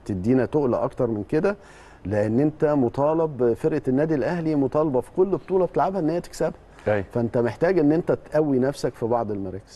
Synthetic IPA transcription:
t̪ed̪ːiːnæt̪oʔlæ̰ʔɑkt̪ɑɾˤmenked̪æ | leʔenːʔent̪æmot̪ˤɑːlɑbfeɾʔenːæːd̪ilʔæhlimot̪ˤɑːlɑbɑfi̥kolːbt̪ˤuːlɑb̚t̪elʕabhæʔenːhejːæt̪e̥ksæbhæ | æjfæʔent̪æmeħt̪æːɡʔenːʔent̪æt̪ʔæwːinæfsækfibɑʕd̪ˤelmɑɾˤɑːke̥z̥

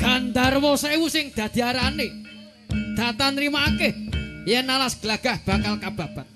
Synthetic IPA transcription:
ɡ̥and̪arwɔsewusɪŋd̪̥ä̤d̪̥i̤aɾane | d̪̥a̤t̪anrimaːkehjɛnalasɡ̥əlaɡ̥a̤hb̥a̤kalkab̥a̤b̥at̪̚

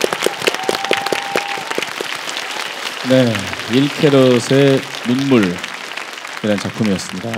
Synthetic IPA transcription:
ne̞iɭkʰeɾosʰe̞nunmuɭ | iɾaɦnt͡ɕak̚pʰumiʌs͈ɯmɲida

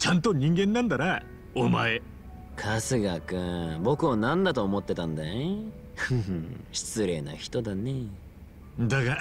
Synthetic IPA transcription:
t͡ɕãnt̪o̞ɲ̟ĩŋɡẽ̞nːãnd̪aɾa | omae | kʰasɨɡakɯbo̞kɯ̟anãnd̪at̪o̞ːmo̞t̪ːe̞t̪ãnd̪ae | ɯ̃ɕi̥t͡sɨɾe̞̰ːna̰çi̥t̪o̞d̪ane | d̪aka

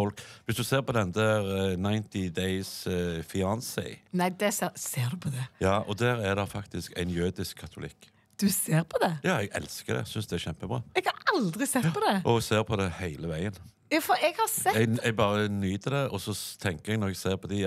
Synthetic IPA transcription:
ɔlkʋɪsd̪ʉseːɾpɔd̪ɛnd̪æːɾnaɪnt̪ɪd̪eɪsfɪɑnsɛ̰ɪnæɪd̪ɛsɛseːd̪ʉpʰɔd̪ɛjɑːʔɔd̪æːɾæɾd̪ɑfɑkt̪ɪskæ̰ɪnjøːd̪ɪskʰːɑt̪ʰʊlɪ̰kː | d̪̥ʉseːɾpʰɔd̪ɛjɑːɛɡɛ̰lskəd̪ɛ̰sʏnsd̪ɛæçɛmpəbɾɑ̰ːɛɡhɑɾɑld̪ɾɪsɛt̪ːpʰɔd̪ɛʔɔɛɡseːɾpʰɔd̪ɛhæɪləʋæɪən | jɑfɔɛɡhɑsɛɡɛɡ̚bɑːɾənyːt̪əd̪ɛʔɔsɔt̪ʰɛŋkəɾɛɡnɔɾɛɡseːɾpʰɔd̪ɪ

